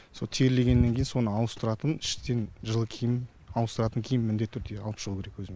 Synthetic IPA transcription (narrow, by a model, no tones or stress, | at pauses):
so̞lˠt̪ʰeɾle̞ɡʲe̞nːe̞ŋʲe̞jɪnso̞nəɑw̪ˠəst̪ʊɾɑt̪ənɪʃt̪e̞nʒəlˠəkʲʰejɪ | ɑw̪ˠəst̪əɾɑt̪əŋkʲʰejɪnmɪnd̪e̞t̪ːʰʏɾd̪eɑlˠəpʃəʁuːkʲeɾekwɵzɪme